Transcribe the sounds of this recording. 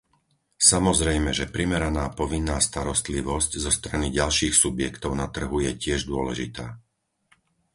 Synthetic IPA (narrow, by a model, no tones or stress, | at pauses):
samɔzɾɛjmɛʒɛpɾimɛɾanaːpɔʋinːaːst̪aɾɔst̪liʋɔsczɔst̪ɾaniɟalʃiːxsubjɛkt̪ɔʊnat̪r̩ɦujɛcɪɛʒd̪ʊɔlɛ̰ʒḭt̪aː